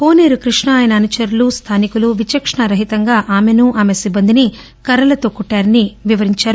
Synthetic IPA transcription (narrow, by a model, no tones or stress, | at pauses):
po̞ːneːɾukɾiʂɳɐːjɐnɐːnut͡ʃɐɾlust̪ʰaːnikuluʋit͡ʃɐkʂɳɐɾɐɦit̪ɐŋɡaːʔaːmenuʔaːme̞sibːɐnd̪ini | kɐɾɐlɐt̪oːkuʈːaːɾɐniʋiʋɐɾiɲt͡ʃaːɾu